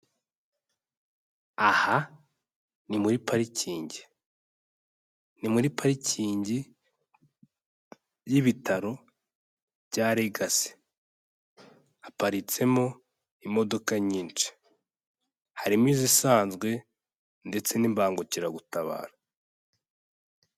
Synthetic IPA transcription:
aha | nimuɾipʰaɾiciːɲɟi | nimuɾipʰaɾiciːɲɟi | jiβitʰaɾo̞ | bɟaːɾeɡase̥ | apaɾit͡se̞mo | imo̞do̞kaɲiːnt͡ʃi̥ | haɾimiːzisaːnzɡwe̞ | nde̞t͡se̞nimbaːŋɡuciɾaɡutaβa̰ːɾa

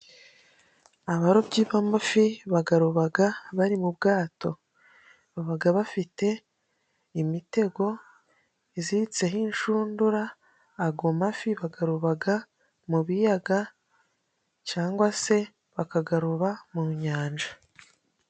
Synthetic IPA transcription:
aβaɾo̞bɟiːβamafiβaɡaɾuβaɡaβaɾimubɡaːto̞ | βaβaɡaβafite̞ | imite̞ɡo̞ | iziit͡se̞ɦiːnʃuːnduɾaː | ɡomafiβaɡaɾuβaɡa | muβijaɡa | caːŋɡwase̞ | βakaɡaɾuβamuɲaːnd͡ʒa

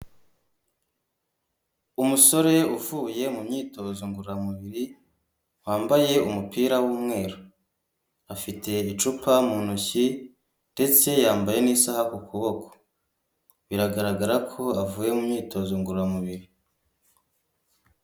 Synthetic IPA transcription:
umuso̞ɾe̞uvuːje̞mumɲiːto̞zoŋɡuɾuɾamuβiɾi | waːmbaje̞umupiːɾawuːmŋe̞ːɾo | afitʰe̞it͡ʃupamunuçi | nde̞t͡se̞jaːmbaje̞nisahakukuβo̞ko̥ | βiɾaɡaɾaɡaɾakʰo̞avuːje̞mumɲiːto̞ːzoŋɡuɾuɾamuβiɾi

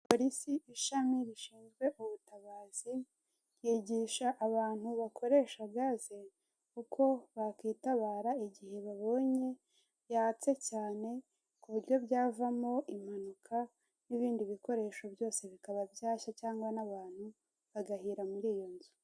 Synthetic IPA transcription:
po̞ɾisiʔiʃamiɾiʃiːnzɡwe̞ʔuβutaβaːz̥i | jiːɟiːʃaʔːβaːn̥huβakʰo̞ɾe̞ːʃaɡaze | kukʰo̞βakiːtaβaːɾaiɟihe̞βaβo̞ːɲe̞ | jaːt͡se̞caːne̞ | kuβiɾjo̞βɟaːvamo̞ʔim̥hanukʰa | niβiːndiβiko̞ɾe̞ːʃo̞bjo̞ːse̞βikaβabjaːʃacaːŋɡwanaβaːn̥hu | βaɡahiːɾamuɾiːjo̞nzu

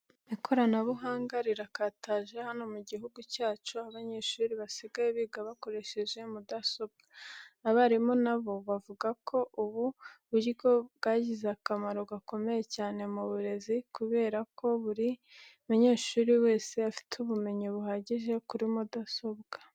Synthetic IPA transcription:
ikʰo̞ɾanaβuɦaːŋɡaɾiɾakataʒe̞hano̞muɟiɦuɡucaːt͡ʃuaβaɲe̞ːʃuːɾiβasiɡajeβiːɡaβako̞ɾe̞ʃe̞ʒe̞mudaso̞b̚ɡaːβaɾimonaβo̞βavuɡakʰo̞ʔuβuβuɾiɡo̞bɡaɟizakamaɾoɡako̞me̞je̞caːne̞muβuɾe̞zikuβe̞ːɾakʰo̞βuɾimuɲe̞ːʃuːɾiwe̞ːse̞afi̥tuβume̞ɲiβuhaːɟiʒe̞kuɾimudaso̞bɡa

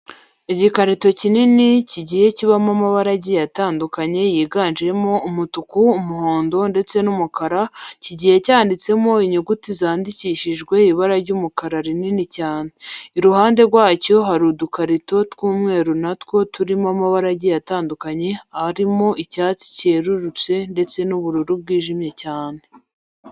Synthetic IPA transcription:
iɟikaɾito̞cininiciɟihe̞ciβamamaβaɾaɟijataːndukaɲe̞jiːɡaːnʒiɾe̞mo̞umutukuːmuhoːndo̞nde̞t͡se̞numukaɾaciɟihe̞caːndit͡se̞mo̞iɲuɡutizaːndiciːʃiʒɡwe̞iβaɾaɾɟuːmukaɾaɾininicaːneiɾuhaːnde̞ɾɡwaːco̞ɦaɾudukaɾito̞tkuːmŋe̞ːɾunatko̞tuɾimamaβaɾaɟijataːndukaɲe̞aɾimo̞ʔicaːt͡si̥ce̞ːɾuɾut͡se̞nde̞t͡se̞nuβuɾuɾub̚ɡiːʒimje̞caːne̞

